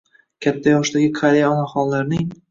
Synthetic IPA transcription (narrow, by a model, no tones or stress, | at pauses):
kʲʰat̪ːajɒʃt̪aɡʲɪkʰaɾʲejaɒnaχɒnlaɾnɪŋ